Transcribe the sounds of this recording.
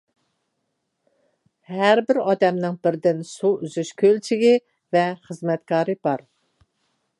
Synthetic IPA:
hæɾbɪɾɑːd̪ɛmnɪŋbɪɾd̪ɪnsuyzyʃkʲʰølt͡ʃʰɪɡʲi | vɛχəzmɛt̪kʰɑːɾɨbɑɾ

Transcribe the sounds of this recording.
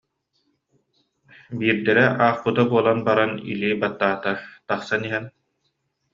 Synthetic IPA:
biːɾd̪ɛɾɛʔaːχpɯt̪abuɔlˠanbaɾanḭlibat̪ːaːt̪at̪aχsaniɦɛn

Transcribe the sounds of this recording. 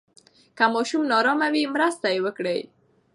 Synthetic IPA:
kamɔʃumnɑɾɑmawimɾəst̪ajewəkɽej

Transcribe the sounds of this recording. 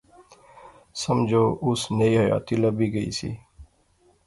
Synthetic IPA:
səmd͡ʒʱoːʔʊsneiɦəja̰ːt̪iləbiːɡəḭːsḭː

